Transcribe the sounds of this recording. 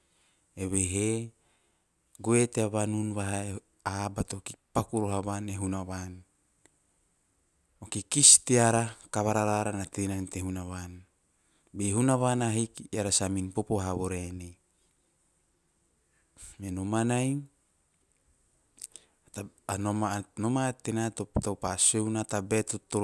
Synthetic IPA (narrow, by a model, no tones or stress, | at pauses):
eβeɦe | ɡueteaβanunβaɦa | abatokipakuɾoɦaβaneɦunaβan | okikistiaɾakaβaɾaɾaɾanat̪enantehunaβan | beɦunaβanaɦikaɾasaminpopoɦaβoɾene | menomanaj | taanomanomat̪enatoptawpasewnatabet̪ot̪ːo